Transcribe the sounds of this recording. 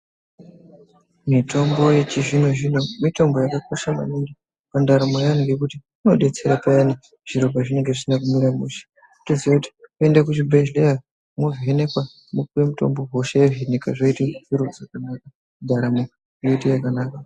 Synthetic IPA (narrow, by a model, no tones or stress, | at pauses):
mitʰo̞mbo̞je̞t͡ʃiʐineʐinomito̞mbo̞jakakoʃama̰neŋdi | pandaɾamojaniɡekuti | ino̞ɗe̞t͡se̞ɾapajani | ʐ̥iɾokaʐine̞ŋɡe̞ʐisinakumiɾamuʃi̥ | utoziwakuti̥koe̞ndakut͡ʃibʱeʒleja | movene̞kwa | mukuwemuto̞̰mbo̞ɦo̞ʃaeʐinikaʐoiteviɾozakanaka | dʱaɾamo | joitejakanaːka